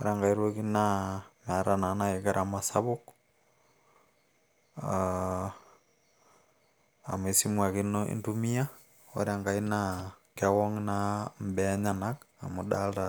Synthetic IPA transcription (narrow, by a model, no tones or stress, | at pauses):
oɾaŋɡaiɾwokinamaɾananaekeɾʔamasaβok | a | a̰mesimwakinoḛntumia | o̰ɾjaŋɡainakewoŋnambeɲanaka̰moɗalta